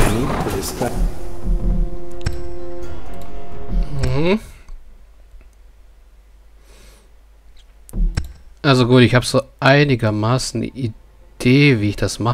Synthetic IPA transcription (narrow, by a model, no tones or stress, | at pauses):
nidubɪsta | h̩hm̩ | ʔalzoɡuːtɪçhaːbz̥oːʔaɪnɪɡɐmaːsn̩̰ʔi | d̥eːviːɪçd̥asma